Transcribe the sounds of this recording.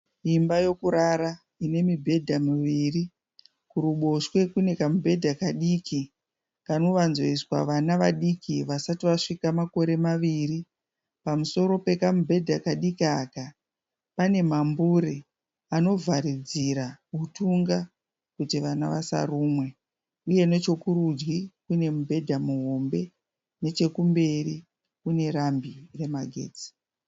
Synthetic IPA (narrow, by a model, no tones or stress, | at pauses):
imbajo̞kuɾaɾa | ine̞mibʱe̞dʱamiʋiːri | kuɾuɓo̞ʃwe̞kune̞kamubʱe̞dʱakaɗiki | kano̞ʋanzoiswa̰ʋanaʋaɗikiʋasatiʋaʂikamako̞ɾe̞maʋiri | pamuso̞ɾo̞pe̞kamubʱe̞dʱakaɗikiaːka | pane̞mambuɾe | ano̞vʱaɾid͡ziɾaɦutuŋɡa | kutiʋanaʋasa̰ruːmwe̞ | uje̞ne̞t͡ʃo̞kurud͡ʒɡikune̞mubʱe̞dʱamuɦo̞mbe̞ | ne̞t͡ʃe̞kumbe̞ri | kune̞ɾambire̞maɡʱe̞̰ːd͡zi̥